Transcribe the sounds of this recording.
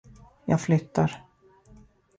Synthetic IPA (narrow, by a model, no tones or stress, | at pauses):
jɑ̰ːɡflʏt̪ːaɾ